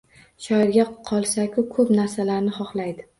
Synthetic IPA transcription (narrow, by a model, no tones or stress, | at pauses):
ʃɒɪɾɡʲaqʰɒlˠsakʰʲʊkʰɵpnaɾsalaɾnɪχɒχlajd̪ɪ